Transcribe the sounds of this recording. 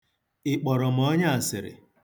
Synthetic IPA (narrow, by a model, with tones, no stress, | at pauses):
ɪ˨k͡pɔ˨ɾɔ˨m̩˨ɔ˦ɲa˦a˨sɪ˨ɾɪ̰˨